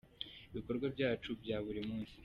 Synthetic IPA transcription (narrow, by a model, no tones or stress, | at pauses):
iβiko̞ɾɡwabjaːt͡ʃubjaːβuɾimuːnsi̥